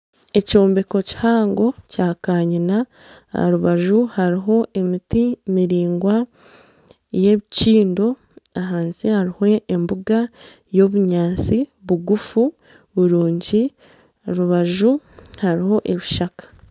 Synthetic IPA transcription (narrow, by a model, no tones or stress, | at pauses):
e̞co̞ːmbe̞ko̞ci̥haːŋɡo̞caːkaːɲina̰ | ɾuβaʒuhaɾiɦo̞ʔe̞mitimiɾiːŋɡwa | je̞βiciːndo̞ | aɦaːnsihaɾiho̞ʔembuɡa | jo̞βuɲaːnt͡siβuɡufu | βuɾuːɲɟi | oɾuβaʒuhaɾiho̞ʔe̞βiʃakḁ